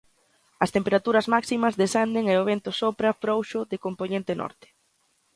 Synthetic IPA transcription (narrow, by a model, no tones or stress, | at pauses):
ɐst̪empeɾat̪uɾɐzmaksimɐzðesand̪eŋeoβ̞ent̪ʊsopɾɐfɾowʃʊðɪkomponẽnt̪ɪnʔɔ̰ɾt̪ɪ̥